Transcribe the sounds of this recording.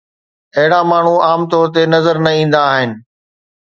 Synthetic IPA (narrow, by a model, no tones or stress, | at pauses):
ɐɦɪɽamaːɳ̤uaːmt̪ɔːɾt̪̬enɐzəɾnɐĩːn̆d̪aːɦɪnɪ̆